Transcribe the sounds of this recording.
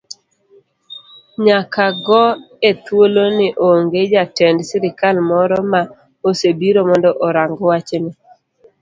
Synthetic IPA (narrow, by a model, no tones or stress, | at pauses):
ɲakʰaɡɔ | et̪wolonɪʔoŋɡed͡ʒatɛndsiɾɪkalmɔɾɔma | osebiɾomɔndɔʔɔɾaŋɡɔwat͡ʃenɪ